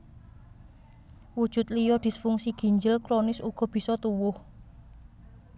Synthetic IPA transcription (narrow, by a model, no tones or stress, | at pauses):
wud̥ʒ̥ʊ̤t̪̚lijɔd̪̥i̤sfuŋsiɡ̥i̤ɲd͡ʒɪlkɾonɪsuɡ̥ɔ̤b̥i̤sɔt̪uwʊh